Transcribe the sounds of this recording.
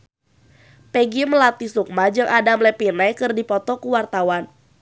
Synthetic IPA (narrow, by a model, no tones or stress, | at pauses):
pɛɡiməlat̪isuk̚mad͡ʒɨŋʔadamlɛpinɛjkɨrdipɔt̪ɔkuwart̪awan